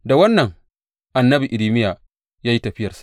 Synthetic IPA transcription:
da˨wɐ˦nːɐ˨ŋ | ʔa˨nːɐ˦bi˨ʔɪ˨liː˦mɪ˦ja˨ | jaː˦ji˦tɐ˨ɸɪ˦jɐ˨rsḁ˨

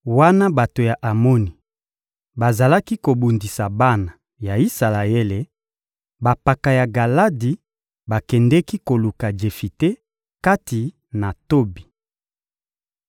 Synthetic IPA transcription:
wa˦na˦ba˨to˨ja˨ʔa˨mo˦ni˨ | ba˨za˨la˦ki˦ko˨bu˨ndi˨sa˨ba˦na˨ | ja˨i˦sa˨la˨e˦le˨ | ba˨pa˨ka˨ja˨ɡa˨la˦di˨ | ba˨kɛ˨ndɛ˦ki˦ko˨lu˨ka˨d͡ʒe˨fi˨te˦ | ka˦ti˨ | na˨to˦bi˨

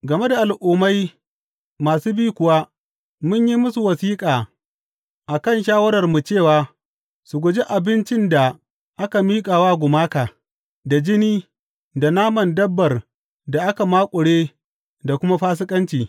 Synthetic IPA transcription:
ɡɐ˨me˦da˨ʔa˨lʔuː˨ma˦j | maː˨suː˦biː˦kʷʊ˨wa˦ | mʊ˦ɲji˦mʊ˦su˨wɐ˨siː˦kʼaː˨ | ʔa˨kɐ˦˨nʃaː˦wɐ˦ɾɐ˨rmu˨t͡ʃeː˦˨waː˨ | sʊ˨ɡʷʊ˨d͡ʒi˦ʔa˨bɪ˦nt͡ʃɪ˦nda˨ | ʔa˦ka˨miː˦kʼaː˨waː˦ɡʷʊ˨maː˦kaː˨ | da˨d͡ʒɪ˦niː˦ | da˨naː˦mɐ˨ndɐ˦bːɐ˨r | da˨ʔa˦ka˨maː˦kʷʼʊ˨ɽeː˦ | da˨kʷʊ˦ma˦ɸaː˦s̬ɪ˦kʼɐ˦nt͡ʃiː˨

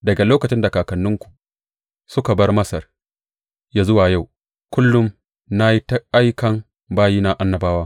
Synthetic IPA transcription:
dɐ˨ɡa˨loː˦kɐ˨t͡ʃɪ˦nda˨kaː˨kɐ˨nːʊ˦ŋkʷu̥˨ | sʊ˦ka˨bɐ˦rmɐ˦sɐ˨r | ja˦zʊ˦waː˨ja˦˨w | kʷʊ˦lːʊ˦m | na˦ji˦ta˦a˦jkɐ˦ŋ | baː˦jiː˦na˦ʔa˦nːɐ˦baː˦waː˦

